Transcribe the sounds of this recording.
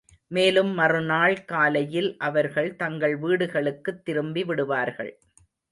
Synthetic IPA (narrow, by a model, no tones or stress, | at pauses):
meːlɯmːɐrɯnaːɭkaːlɐjɪlʔɐʋɐɾɣɐɭt̪ɐŋɡɐɭʋiːɽɯɣɐɭɯkːɯt̪ːɪɾɯmbiʋɪɽɯʋaːɾɣɐ̰ɭ